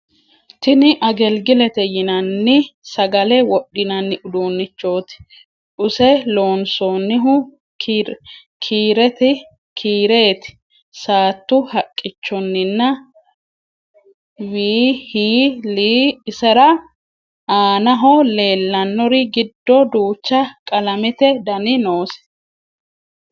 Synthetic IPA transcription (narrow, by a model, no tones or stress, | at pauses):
t̪ɪnɪʔɐɡɛlɡɪlɛt̪ɛjɪnɐnːɪsɐɡɐlɛwɔɗːɪnɐnːɪʔʊd̪oːnːɪt͡ʃːo̞ːt̪ɪ̥ | ᶑʊsɛlo̞ːnsoːnːɪɦʊ | kː | kʰiːɾɛt̪ɪ | kʰiːɾe̞ːt̪ɪ̥ | saːt̪ːʊhɐkʼːɪt͡ʃːɔnːɪnːɐ | wiːhiːliːɪsɐɾɐ | aːnɐɦɔle̞ːlːɐnːɔɾɪɡɪd̪ːɔd̪uːt͡ʃːɐkʼɐlɐmɪt̪ɛd̪ɐnɪnoːsɛ̥